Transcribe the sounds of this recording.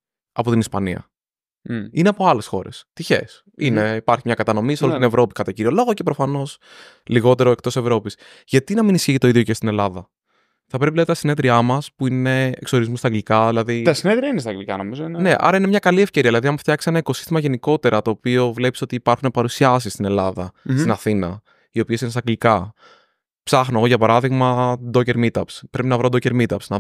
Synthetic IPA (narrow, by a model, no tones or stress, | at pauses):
ɐpo̞t̪inispɐniɐ̰ | ine̞ɐpo̞ɐle̞sxo̞̰ɾe̞̰st̪içe̞̰s | ine̞ipɐɾçimɲɐkɐt̪ɐno̞misolilt̪inevɾo̞pi̥kɐt̪ociɾiolo̞ɣoce̞pɾo̞fɐno̞s | liɣo̞t̪e̞ɾo̞e̞k̚t̪o̞sevɾo̞pis | ʝɐt̪inɐminisçiʝit̪oiðʝoce̞st̪ine̞lɐðɐ | θɐpɾep̬ilɐðit̪ɐsine̞ðɾiɐmɐspuine̞ḛkso̞ɾizmust̪ɐɡlikɐðilɐðit̪ɐsineðɾiɐinest̪ɐɡlikɐnomizoinne̞ʔɐ̰ɾɐinemɲɐkɐlie̞fce̞ɾiɐðilɐðiɐmft̪çɐkse̞nɐiko̞si̥st̪imɐʝe̞niko̞t̪e̞ɾɐt̪o̞ːpio̞vle̞pi̥so̞t̪iːpɐɾxunepɐɾusiɐs̬ist̪ine̞lɐðɐsst̪inɐθinɐ | io̞pie̞sinest̪ɐɡlikɐ | psɐxnoɣoʝɐpɐɾɐðiɣmɐd̪o̞ce̞ɾmit̪ɐpspɾe̞pinɐvɾod̪o̞ceɾmit̪ɐpsnɐ